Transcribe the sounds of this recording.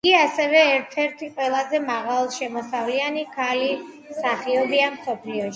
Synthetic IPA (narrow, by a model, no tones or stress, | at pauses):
ɡiasɛvɛːɾt̪ʰɛɾt̪ʰiqʼwɛlˠazɛmaʁalˠʃɛmɔsavlianikʰali | saχiɔbiamsɔpʰliɔʃi̥